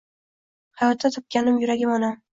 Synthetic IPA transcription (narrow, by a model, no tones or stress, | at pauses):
hajɒt̪ʰːat̪ʰɒp̚kʲanɪmjʊɾaɡʲɪmɒnam